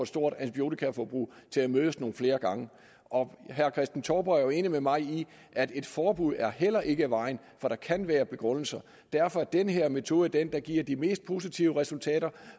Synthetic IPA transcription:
ɒ̥sd̥o̝ɐ̰d̥ænt͡sʰib̥jo̝̰t͡sʰikʰæfɒb̥ʁṵː | t͡sʰe̝læmøːðˠəsno̝ːn̩fle̝ːɐɡ̥ɑ̈ŋə | ʔɒ̽ɦæɐkʰʁɛsd̥n̩t͡sʰɒːb̥ɐæɐjo̝e̝ːnimemɑ̈ɪi | ʔæd̥e̝d̥fɒːb̥uð̞̰ˠæɐɦel̰ɐʔe̝ɡ̥əæʋɑ̈ɪn̩ | fɒ̽ɾ̥ɑ̈kʰænʋæːɐb̥e̝ɡ̥ʁɔ̽n̰l̩sɐ | d̥æɐfɒ̽æɐd̥enɦe̝ɐme̝t͡sʰo̝ːðˠæd̥end̥ɑ̈ɡ̥iɐ̰d̥ime̝̰ːsd̥̚pʰo̝ːs̬it͡sʰiʊəʁɛsult͡sʰɛ̰ːɾ̥ɐ

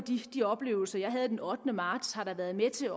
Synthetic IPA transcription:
d̥id̥iɒ̽b̥le̝̰ːʊl̩sɐjɑ̈ɪɦæð̞̩ˠd̥enɒ̽d̥nəmɑ̈ːd̥shɑ̈ɾ̥ɑ̈ʋæɐðˠmet͡sʰe̝

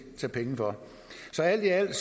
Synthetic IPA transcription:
t͡sʰepʰeŋəfɒ̽ | sɒ̽æl̰d̥iæl̰̥s

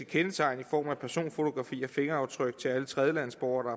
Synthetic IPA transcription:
əkʰenət͡sʰɑ̈ɪnifɒ̰ːmæpʰæɐso̝̰ːnfo̝t͡sʰo̝ɡ̥ʁɑ̈fḭːɒ̽fe̝ŋɐɑ̈ʊt͡sʰʁœɡ̥̚t͡sʰe̝ælət͡sʰʁɛð̞ˠjəlæn̰sb̥ɒʊɐɾ̥ɑ̈

